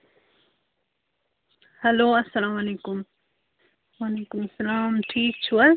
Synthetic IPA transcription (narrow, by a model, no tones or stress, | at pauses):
haloːɐsːalaːmaleːkʊm | waleːkʊmasːalaːmt̪ʰiːt͡ʃwa